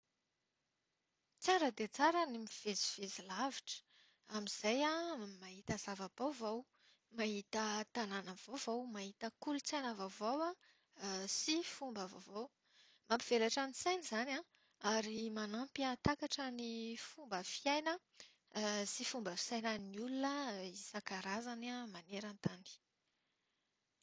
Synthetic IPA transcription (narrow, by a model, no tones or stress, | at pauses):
t͡saɾəd̪et͡saɾənimiv̥eziv̥ezilaviʈ͡ʂə̥ | amiz̥ajamaɦit̪əzavab̥owvow | maɦit̪ət̪ananəv̥ovowmaɦit̪əkulut͡sanəvavowa | sifumbəvovow | mampiv̥elaʈ͡ʂanit͡sajnizana | aɾimanampiat̪akaʈ͡ʂənifumbəfiajnə | sifumbəfi̥sajnəniulunəisakaɾazanamaneɾant̪ani̥